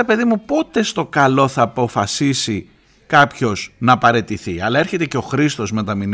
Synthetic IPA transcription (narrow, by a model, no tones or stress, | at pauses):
epe̞ðimupo̞t̪e̞st̪o̞kɐlo̞θɐːpo̞fɐsisi | kɐpço̞z̥nɐpɐɾe̞t̪iθiɐlɐe̞ɾçe̞t̪e̞ceo̞xɾist̪o̞zme̞t̪ɐmin